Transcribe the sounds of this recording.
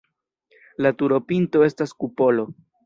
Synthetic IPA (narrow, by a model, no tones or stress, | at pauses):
latuɾo̞pinto̞e̞staskupo̞lo̞